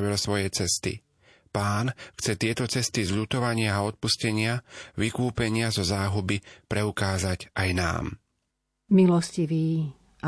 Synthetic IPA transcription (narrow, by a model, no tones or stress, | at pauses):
ʋilsʋɔjɛt͡sɛst̪ḭ | paːnxt͡sɛt̪ɪɛt̪ɔt͡sɛst̪izʎuːt̪ɔʋaɲɪaːɔt̪̚puscɛɲɪaʋikuːpɛɲɪazɔzaːɦubipɾɛukaːzaɟʔajna̰ːm | milɔsciʋiː | a